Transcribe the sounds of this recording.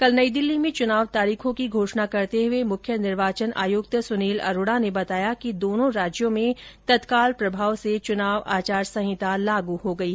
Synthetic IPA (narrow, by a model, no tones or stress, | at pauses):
kɐlnɐid̪ɪlːimẽt͡ʃʊnaːʋt̪aːɾiːkʰõkiɡʱoːʃnakɐɾt̪eɦʊemʊkʰjənɪɾʋaːt͡ʃəna̰ːjʊɡt̪əsʊniːlɐ̰ɾoːɽanebɐt̪aːjakid̪oːnõɾaːd͡ʒjõmẽt̪ɐt̪kaːlpɾɐbʱaːʋset͡ʃʊnaːʋaːt͡ʃaːɾsɐ̃ɦɪt̪alaːɡuɦoɡɐi